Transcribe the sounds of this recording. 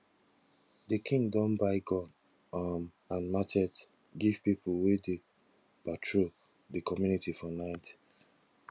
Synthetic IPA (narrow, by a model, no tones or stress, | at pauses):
dəkʰĩŋɡdɔ̃nbaɪɡɔ̃n | m | ãnmat͡ʃɛt | ɡiv̥pipʰulwede | patʰɹo | dekɔmjunitifɔnãɪt